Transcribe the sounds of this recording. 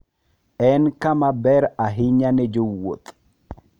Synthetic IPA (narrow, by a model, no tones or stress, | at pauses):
ɛnkamabɛɾaɦiɲaned͡ʒowːo̰t̪